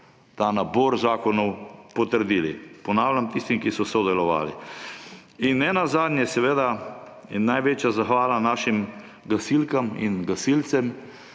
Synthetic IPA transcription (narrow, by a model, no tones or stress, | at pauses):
t̪anabɔɾzaːkɔnɔwpɔt̪əɾd̪iːlḭpɔnaːwlʲjamt̪ist̪imkisɔsɔd̪ɛlɔʋa̰ːlḭ | inːɛnazaːd̪nʲjɛsɛʋeːd̪a | najʋeːt͡ʃjazaxʋaːlanaːʃim | ɡasilkamḭnɡasilt̪sɛm